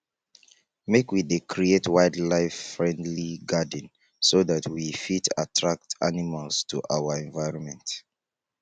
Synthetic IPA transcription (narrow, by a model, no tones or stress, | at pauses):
mekwidekʰɹietwaɪdlaɪfːɹɛ̃ndliɡad̃n | soðatʰwifita̰tʰɹak̚tanimalstʰṵʔawəɛ̃nvaɪɹɔ̃nmɛ̃nt